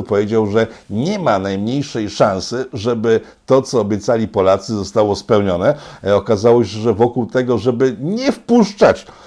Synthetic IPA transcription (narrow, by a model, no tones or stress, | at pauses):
pɔvʲjed͡ʑawʐɛɲɛmanajmɲejʂɛjʂãñsɘʐɛbɘt̪ɔt̪sɔːbʲjɛt̪salʲipɔlat̪sɘzɔst̪awɔspɛwɲɔnɛɔkazawɔɕɛʐɛvɔkuwt̪ɛɡɔʐɛbɘɲɛfpuʂt͡ʂat͡ɕ